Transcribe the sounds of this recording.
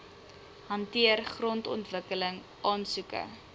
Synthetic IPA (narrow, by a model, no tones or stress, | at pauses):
ɦɐntiərχrɔntɔ̰ntvəkələŋ | ʔɑːnsukə̰